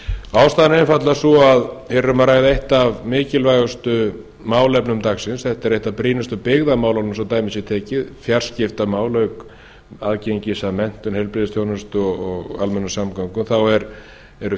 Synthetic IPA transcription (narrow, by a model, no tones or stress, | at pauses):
aːwst̪aːðnɛnfat̪lasɔaðhɛɾʏmaɾaːjðaejht̪avmɪːcɪlvajɣʏst̪ʏ | maːwlɛpnʏmt̪axsɪnsθɛht̪aɛɾejht̪apɾiːnʏst̪ʏpɪɣðamaːwlawnʏmsawt̪aːjmɪsjɪt̪ʰɛːcɪðfjar̥scɪft̪amaːwlœɥk | aðceɲcɪsamɛn̥t̪ʏnhɛjlpɾɪðɪst̪jownʏst̪ʏɔɣɔɣalmɛnːasamkawŋkʏmθawɛɾ | ɛɾʏ